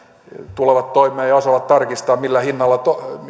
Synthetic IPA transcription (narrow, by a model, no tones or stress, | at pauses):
t̪uleʋɑt̪t̪oimˑeɑːjjɑosɑʋɑt̪t̪ɑrkist̪ɑːmmilːæhinːɑlːɑt̪o